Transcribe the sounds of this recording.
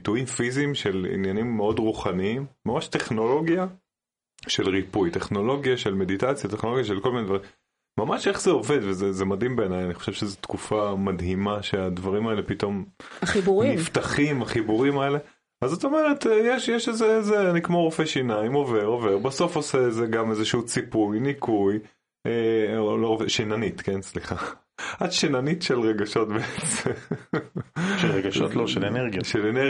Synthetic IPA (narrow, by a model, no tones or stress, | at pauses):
bit̪uimfizimʃe̞lḭnjanimːeo̞dʁuχaniimːamaʃte̞χno̞lo̞ɡja | ʃelʁipujte̞χno̞lo̞ɡjaʃe̞lme̞ditat͡sjateχno̞loɡjaʃelkolmined̪vaʁim | mamaʃe̞χzeo̞ve̞d̪vezezemadhimbe̞ːnajaniχo̥ʃevʃezet̪kufamadɦimaʃead̪vaʁimaele̞pit̪o̞maχibuʁimimft̪aχimaχibuʁimaele̞ | azoto̞meʁet̪jeʃjeʃezeezeanikmoʁofeʃinaimo̞ve̞ʁo̞ve̞ʁbaso̞fo̞seːzeɡamezeʃuut͡sipujnikuj | eloʁofeʃinanit̪kensliχa | adʃinanitʃelʁeɡaʃo̞tbeet͡sem | ʃelʁeɡaʃo̰t̪loʃeleneʁɡijaʃelene